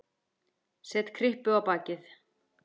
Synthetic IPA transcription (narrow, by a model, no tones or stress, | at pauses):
sɛt̪kʰɾɪhpʏawpaːcɪθ